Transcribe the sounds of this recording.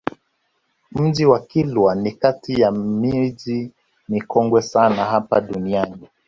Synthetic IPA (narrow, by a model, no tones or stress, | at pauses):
m̩ʄiwakilwanikatijamiʄi | nikɔŋɡwɛsanaɦapa̰ɗuniani